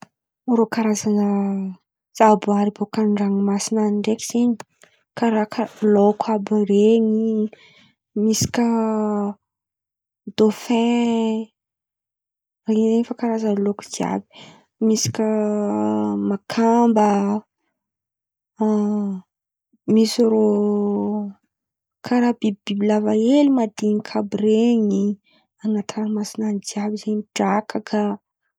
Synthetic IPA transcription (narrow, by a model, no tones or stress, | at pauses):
uɾokaɾazanə | z̥abaɾibokaɳɖ͡ʐaŋimasinanɳɖ͡ʐekʲi̥z̥iɲi̥ | kaɾakəlokʰabəɾeŋi | misi̥kʲə | d̪̥ofẽ | riɲizeɲifakaɾazanəloku̥d̪ia̰bi̥ | misi̥kʲə | makʰambə | misiɾo | kʰaɾabibb̥ibilavaelimad̪iɲikʰabɾeɲi | anat̪ʰaɾmasinanid͡ziabizeɲiʈ͡ʂakʰakʰa